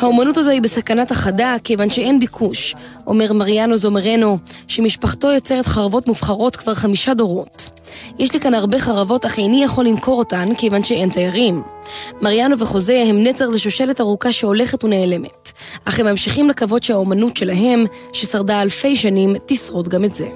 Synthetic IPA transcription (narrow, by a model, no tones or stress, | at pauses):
haomanutazohibesakanataχadake̞jvanʃee̞nbikʰuʃʔo̞̰me̞ʁmaʁjano̞zo̞meʁe̞no̞ʃemiʃpaχto̞jot͡se̞ʁetχaʁavo̞tmufχaʁo̞tkv̥aʁχamiʃado̞ʁo̞t | jeʃlikanaʁbe̞χaʁavo̞taχejnijaχo̞lːimko̞ʁotanke̞jvanʃee̞ntajaʁimːaʁjano̞veχo̞ze̞hemnet͡saʁleʃoʃele̞taʁukaʃeo̞le̞χetuneːle̞me̞t | ʔaχemamʃiχimlekavo̞dʃehaomanutʃe̞laɦe̞m | ʃesaʁdaːlfe̞jʃanimtisʁotɡametze̞